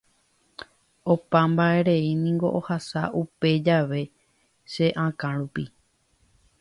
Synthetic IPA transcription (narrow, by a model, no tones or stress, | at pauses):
opãmbae̞ɾe̞inĩŋɡo̞̰ʔohasaʔupe̞d͡ʒaʋe̞ | ʃe̞ʔãkãɾupi